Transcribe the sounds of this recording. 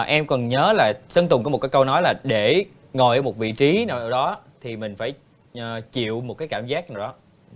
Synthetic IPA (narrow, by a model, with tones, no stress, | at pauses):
ʔɛ˧mkɔ˨˩nɲəː˨˦laː˨˩sə˧ŋt̪ʊ˨˩ŋkːmo˨˩t̚kːaː˨˦kə˧wnɔ˨˦jlaː˨˩ɗe˧˩ | ŋo˨˩jʔəː˨˧˦mo˨˩t̚vḭ˧˨t͡ɕi˨˦naː˨˩ʔaː˧˩wɗɔ˨˦t̪ʰi˨˩mï˨˩ŋ̟faː˧˩j | t͡ɕḭ˧˨əwmo˨˩kaː˨˦jkaː˧˩mzaː˦˥k̚naː˨˩wɗɔ˨˦